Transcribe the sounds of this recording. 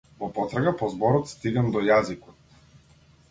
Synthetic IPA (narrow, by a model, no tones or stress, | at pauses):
vɔpɔt̪ɾaɡapɔzbɔɾɔt̪st̪iɡamd̪ɔjazikɔt̪̚